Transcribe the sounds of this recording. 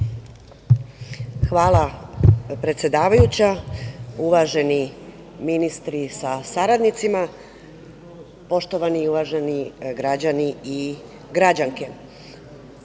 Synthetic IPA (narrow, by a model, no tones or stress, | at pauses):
xʋaːlˠa | pɾe̞t̪sjed̪aːʋajut͡ɕa | uʋaʒe̞ni | minist̪ɾisasaɾad̪nit̪sima | po̞ʃt̪oʋaniuʋaʒeniɡɾad͡ʑanii | ɡɾad͡ʑaŋke